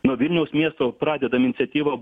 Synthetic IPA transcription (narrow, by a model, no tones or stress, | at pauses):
noʋʲɪlʲnʲɛʊsmʲiɛst̪oːpɾɑːd̪ʲɛd̪ɐmɪnʲsʲɛt̪ʲiːʋɐ